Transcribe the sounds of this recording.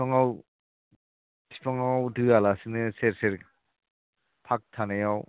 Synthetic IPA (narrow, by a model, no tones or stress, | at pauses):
ɔŋaw | tʰipʰɔŋwdɯalasinɯseɾseɾ | pʰak̚tʰanajaw